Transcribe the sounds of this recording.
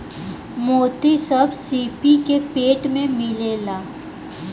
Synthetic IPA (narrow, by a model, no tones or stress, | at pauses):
moːt̪isɐbsiːpikepeːʈmẽmɪlelaː